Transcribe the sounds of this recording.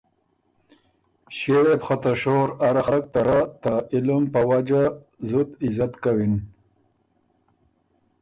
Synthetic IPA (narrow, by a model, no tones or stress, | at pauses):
ɕeɽepxat̪aʃoɾaɾaxak̚t̪aɾat̪ailumpəwad͡ʒa | zut̪ɪzat̪kawin